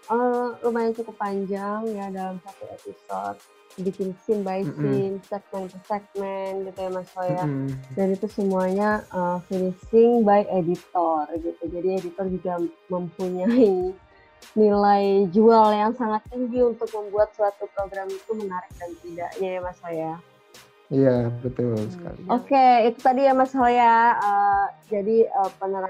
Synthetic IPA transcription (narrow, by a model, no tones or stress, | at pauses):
ʔərumajaŋt͡ʃukupaɲd͡ʒaŋjadalamsat̪uepisɔ̰t̪̚ | bikɪnsɪmbaisɪnsɛk̚mɛnpəsɛk̚mɛnɡit̪ujamasojadanit̪usəmuaɲaʔəmfinisɪŋbajedit̪ɔrɡit̪ud͡ʒadiedit̪ɔrd͡ʒuɡaməmpuɲai | nilaid͡ʒualjaŋsaŋat̪ːiŋɡiunt̪ʊk̚məmbuat̪̚suat̪upɾoɡɾamit̪umənaɾɪk̚dant̪ida̰ʔɲajamasoja | ijabbət̪ṵsə̥ka̰lḭokeit̪ut̪adijamasojaəd͡ʒadiəpənəɾa